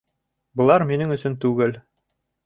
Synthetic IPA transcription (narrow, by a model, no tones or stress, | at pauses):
bɤ̆lˠɑɾminɘŋɵ̆sɵnt̪ʉɡɘl